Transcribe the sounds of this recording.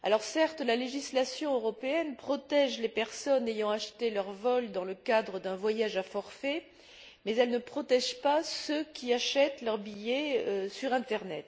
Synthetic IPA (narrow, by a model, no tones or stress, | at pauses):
a̰lɔʁsɛʁt̪laleʒislasjɔ̃øʁɔpeɛnpχɔt̪ɛʒlepɛʁsɔnejɑ̃aʃt̪elœʁvɔld̪ɑ̃ləkad̪ʁəd̪ɛ̃vwajaʒafɔʁfe | mɛzɛlnəpχɔt̪ɛʒpasøkʲʰiaʃɛt̪lœʁbijɛøsyʁɛ̃t̪ɛʁnɛt̪